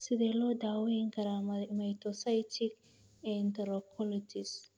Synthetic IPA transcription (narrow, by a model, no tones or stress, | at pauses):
sɪðɛːlɔːd̪aːwɛɪŋkʰɐɾaːmɐmɐjt̪ɔsajt̪ʰɪk | ɛnt̪ɐɾɔkʰɔlɔd͡ʒɪs